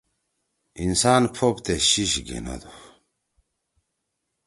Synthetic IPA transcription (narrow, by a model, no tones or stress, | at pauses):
insaːnpʰopt̪eɕiɕɡḛna̰d̪u